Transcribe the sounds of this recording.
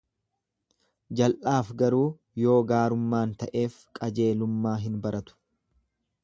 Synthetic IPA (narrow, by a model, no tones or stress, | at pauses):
d͡ʒɐlʔaːfɡɐɾuː | jo̞ːɡaːɾʊmːaːnt̪ɐʔe̞ːfkʼɐd͡ʒe̞ːlʊmːaːɦɪnbɐɾɐt̪ʊ̥